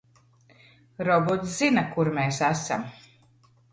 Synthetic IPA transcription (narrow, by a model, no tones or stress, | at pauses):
ɾɔbɔt̪szinakuɾmeːsæsa̰m